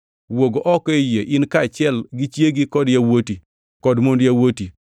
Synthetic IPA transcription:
woɡoʔɔkɔjeʔɪnkat͡ʃɛlɡit͡ʃjeɡikɔdjawoti | kɔdmondjawoti

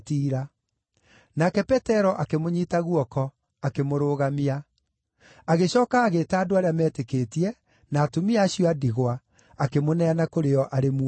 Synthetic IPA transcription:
tiːɾa | nakɛpɛtɛɾɔʔakemoɲiːtaɣuɔkɔ | akemoɾoːɣamia | aɣeɕɔːkaːɣeːtaːdoaɾeamɛːtekeːtiɛ | naːtomiaːɕijɔadiɣwa | akemonɛanakoɾeɔʔaɾemu

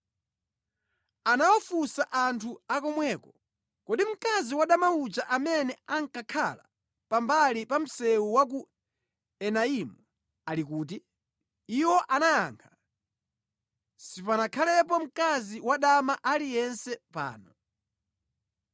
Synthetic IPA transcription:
anawɔfusaʔantʰuakɔmwɛːkɔ | kɔɗim̩kaziwaɗamaut͡ʃaʔamɛnɛaŋkakʰala̰ | pambalipam̩sɛwuwak̬u | ɛnaimu | alikuːt̬iː | wɔʔanajaːŋkʰḁ | sipanakʰalɛp̬ɔm̩kaziwaɗamaʔalijɛnsɛpa̰ːnɔ

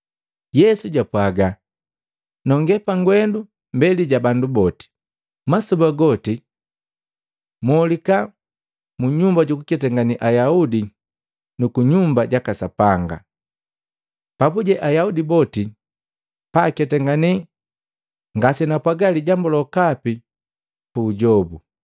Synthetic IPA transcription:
jɛsuɟapwaɡa | nɔŋɡɛpaŋɡwɛndu | mbɛliɟabandubɔti̥ | masɔbaɡɔti | mɔlika | muɲumbaɟukukɛtɛŋɡaniʔajaudi | nukuɲumbaɟakasapaŋɡa̰ | papuɟɛʔajaudibɔti | pakɛtɛŋɡani | ŋɡasɛnapwaɡaliɟambɔlɔkapi | puːɟɔbu

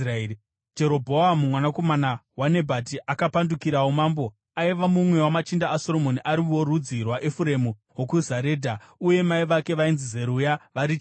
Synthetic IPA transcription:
raei | d͡ʒe̞ɾo̞bʱo̞amumwanako̞manawane̞bʱatiʔakapandukiɾawomaːmbo̞ | aiʋamumwe̞wamat͡ʃindaːso̞ɾo̞moniʔaɾiorud͡zirwaʔefuɾe̞mu | wokuzaɾe̞ːdʱauje̞maiʋake̞ʋainzize̞ɾujaʋaɾit͡ʃ

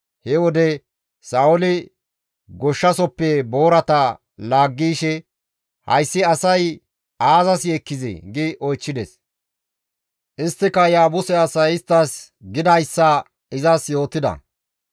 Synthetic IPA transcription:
hɛwɔd̪ɛ | saːʊlɪ | ɡɔʃːɐsɔpːɛbo̞ːɾɐt̪ɐ | laːɡːiːʃɛ | hɐ̰jsːɪɐsɐj | aːzɐsjɛkːɪzɪ̰ɡɪʔɔjt͡ʃːɪd̪ɛs | ʔɪst̪ːɪkːɐjaːbʊsɛɐsɐjɪst̪ːɐs | ɡɪd̪ɐjsːɐ | ɪzɐsjo̞ːt̪ːɪd̪ɐ̰

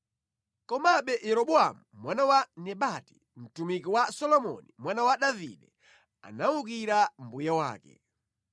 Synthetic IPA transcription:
kɔmaɓɛjɛɾɔɓɔa̰mumwanawanɛɓati | m̩tumikiwasɔlɔmɔ̰nimwanawaɗavḭɗɛ | a̰nauk̬iɾam̩bujawa̰ːkɛ̰

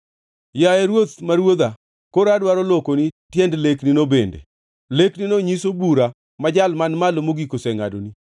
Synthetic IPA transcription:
jaɛɾwot̪maɾwod̪a | koɾadwaɾolokonitjɛndlekninobendḛ | lekninoɲisobuɾa | mad͡ʒalmanmalomoɡikosɛŋa̰do̰ni

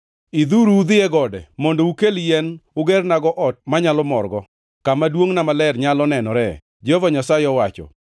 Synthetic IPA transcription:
id̪uɾuud̪ɪɛɡɔdɛmondoukeljɛnʊɡɛrnaɡɔʔɔt̚maɲalɔmɔrɡɔ | kamadwoŋnamalɛrɲalɔnɛnɔɾɛ | d͡ʒovaɲasajɪɔwat͡ʃɔ̰

